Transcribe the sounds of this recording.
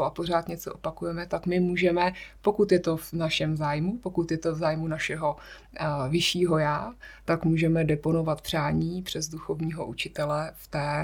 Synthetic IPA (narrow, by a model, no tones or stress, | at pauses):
oapo̞r̝aːt̪ɲɛt͡so̰ʔopakujɛmɛt̪akmɪmuːʒɛmɛpo̞kut̪jɛt̪o̞vnaʃɛmzaːjmupokut̪jɛt̪ovzaːjmunaʃɛɦo̞ | vɪʃiːɦo̞jaːt̪akmuːʒɛmɛdɛpo̞no̞vat̪̚pr̝̥aːɲiːpr̝̥ɛzduxo̞vɲiːɦo̞ʔut͡ʃɪt̪ɛlɛft̪ɛː